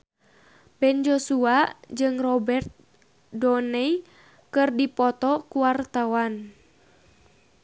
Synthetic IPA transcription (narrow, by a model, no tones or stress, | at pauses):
bɛnd͡ʒosuad͡ʒɨŋrɔbɛrt̪̚ | dɔnɛi | kɨrdipɔt̪ɔkuwart̪awan